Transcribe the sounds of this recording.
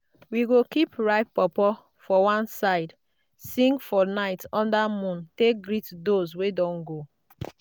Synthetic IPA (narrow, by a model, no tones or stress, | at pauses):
wiɡokipɹaɪpːɔpɔ | fɔwãnsaɪd | sĩŋɡfɔnaɪtɔ̃ndamũntek̚ɡɾitdozwedɔ̃ŋɡo